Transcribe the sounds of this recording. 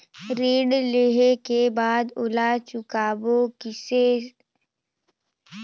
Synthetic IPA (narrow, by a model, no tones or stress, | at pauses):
ɾeːɽleɦekebaːd̪oːlat͡ʃʊkaːbokɪse